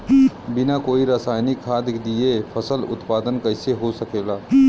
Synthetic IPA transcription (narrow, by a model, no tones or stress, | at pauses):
bɪnakoːiɾasaːjnikʰːaːd̪kd̪iepʰəsəlʊ̰t̪paːd̪ənkəɪseɦosəkeːlaː